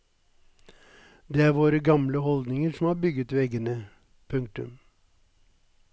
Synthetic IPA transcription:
d̪eːæːɾʋoːɾəɡɑmləhɔld̪nɪŋəʂɔm̩hɑːbʏɡət̪ʋɛɡənə | pʰʉŋk̚t̪ʉ̰m

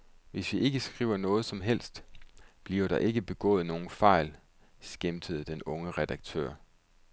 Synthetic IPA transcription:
ʋe̝sʋiʔe̝ɡ̥əsɡ̥ʁḭːʊɐnɔ̽ːð̞̩ˠsɒ̽mɦel̰sd̥b̥liɐɾ̥ɑ̈ʔe̝ɡ̥əb̥e̝ɡ̥ɔ̰̽ːð̩ˠno̝ːn̩fɑ̈ɪ̰l | sɡ̥emd̥ʰəð̞̩ˠd̥enɔ̽ŋəʁɛd̥ɑ̈ɡ̥̚t͡sʰø̰ɐ̰

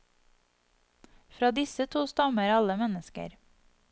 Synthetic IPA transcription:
fɾɑːd̪ɪsət̪ʰuːst̪ɑməɾɑləmɛnəskə̰ɾ

